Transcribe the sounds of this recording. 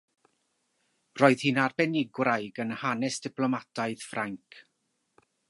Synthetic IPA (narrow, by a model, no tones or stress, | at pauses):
rɔːɨð̥hɨnarbɛnɪɡwrajɡənhanɛsd̥ɪpʰlˠɔmatʰaɨð̥fraŋkʰ